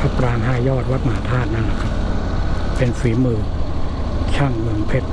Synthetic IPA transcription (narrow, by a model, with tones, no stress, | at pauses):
pʰa˦˥pɾaː˧nɦaː˥˩jjɔː˥˩t̪̚wa˦˥t̪̚ma˧ɦaː˨˦t̪ʰaː˥˩t̪̚na˦˥nːa˧˩kʰɾa˦˥p̚ | pːe˧nfiː˨˩˦mɯː˨˩ | t͡ɕʰa˥˩ŋmɯ˨˩ŋpʰe˦˥t̪̚